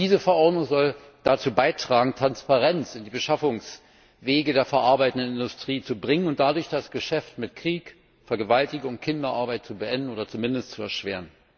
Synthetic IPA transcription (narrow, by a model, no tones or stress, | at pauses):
d̥iːzəfɛɐʔɔɐdnʊŋzɔl | d̥at͡suːbaɪtʁ̥aːɡŋ̩tʁ̥anspaʁɛnt͡sɪndiːbəʃafʊŋs | veːɡədeːɐfɛɐʔaɐbaɪtən̩dənɪndʊstʁ̥iːt͡subʁɪŋənʊnt̚d̥adʊɐçd̥asɡ̥əʃɛftmɪtkʁ̥iːk | fɛɐɡəvaltɪɡʊŋkʰɪndɐʔaɐbaɪtt͡subəʔɛndn̩oːdɐt͡sumɪndəstt͡suɛɐʃv̥eːʁən